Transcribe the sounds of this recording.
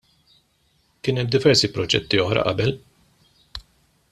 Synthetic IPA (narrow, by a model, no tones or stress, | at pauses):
kɪːnɛmːd̪ɪvɛɾsipɾɔd͡ʒɛ̰t̪ːiɔħɾɐ̰ʔɐ̰bɛl